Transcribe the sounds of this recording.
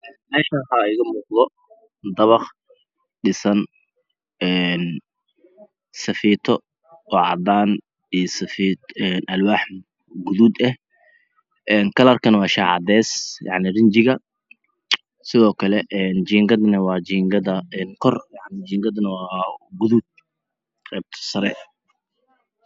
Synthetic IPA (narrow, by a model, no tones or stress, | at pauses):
ʔɛːnmɛːʃɐɦaɪɣɐmuːqðɔ | d̪ɐβɑχ | ɖɪsɐn | ɛːn | sɐfiːt̪ʰɔ | ɔːʕɑ̰d̪aːn | isɐfiːt̪ɛːnʔɐlwaːħ | ɡʊðuːd̪ɐh | ʔɛːnkʰɐlɐrkʰɐnwɑːʃaːʕɑ̰d̪ɛːsjɑ̰ʕnɪrɪnt͡ʃɪɣɐ | sɪðɔːkʰɐlɛʔɛːnt͡ʃiːŋɡɐd̪nɐwɑːt͡ʃiːŋɡɐðɐɛːnkʰɔrjɑʕnɪt͡ʃiːŋɡɐðnɐwɑːɡʊðuːd̪̚ | qɛːb̚t̪ʰɔ̥sɐɾɛ̰